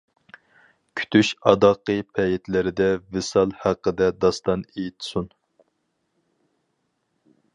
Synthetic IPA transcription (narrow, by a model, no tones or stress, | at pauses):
kʲʰy̥t̪ʰyʃɑd̪ɑqːəpʰɛjɪt̪ʰlɪɾɪd̪ɛvɪsɑlˠhæqːəd̪ɛd̪ɑst̪ɑnejt̪ʰsun